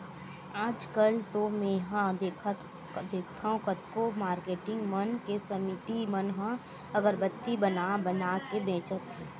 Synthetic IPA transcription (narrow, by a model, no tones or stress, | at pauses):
aːd͡ʒkəlt̪omẽɦãd̪ek̪ʰ | d̪eːkʰt̪ʰaɦũkət̪komaːɾkeːʈɪ̃ŋɡmənkesəmɪt̪imənɦã | ɐɡəɾbət̪ːibənabənakebẽːt͡ʃət̪ʰːeː